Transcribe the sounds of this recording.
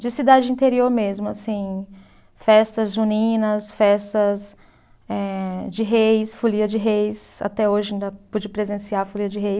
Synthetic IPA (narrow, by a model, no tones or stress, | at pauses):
d͡ʒɪsid̪ad͡ʒɪĩnt̪eɾioɾmezmʊasĩ | fɛst̪ɐzunĩnɐsfɛst̪ɐs | ɛd͡ʒɪɦejsfuliɐd͡ʒɪɦejsa̰t̪ɛoʒɪĩd̪ɐpud͡ʒɪpɾezẽsiaɾfoliɐd͡ʒɪɦej